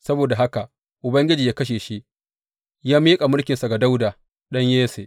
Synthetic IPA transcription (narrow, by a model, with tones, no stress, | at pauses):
sɐ˦boː˨da˨ɦa˦ka˨ʔ | ʔʊ˨bɐ˦ŋɡʲɪ˦d͡ʒiː˨jaː˦kɐ˦ʃ̬eː˨ʃi˦ʔ | jaː˦miː˦kʼa˨mʊ˦lkʲɪ˨nsa˨ɡa˨da˦wda˨ | ɗɐ˦ɲjeː˦sḛ˨ʔ